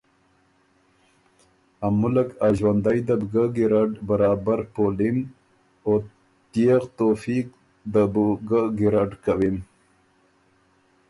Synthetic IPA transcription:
amʊlakaʒwand̪ajd̪abɡaɡiɾaɖbaɾɑːbaɾpoːlin | o | t̪ijeɣt̪oːfiːk̚ | d̪əbuɡaɡiɾaɖkawim

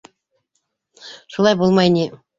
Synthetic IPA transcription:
ʃulˠɑjbulˠmɑjnʲi

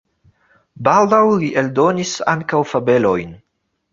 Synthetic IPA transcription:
baldawliʔeldo̞nisa̰ŋkawfabe̞lo̞jn

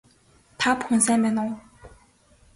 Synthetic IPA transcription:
t̪ʰapʰoŋsɛpɛːnɑŋ

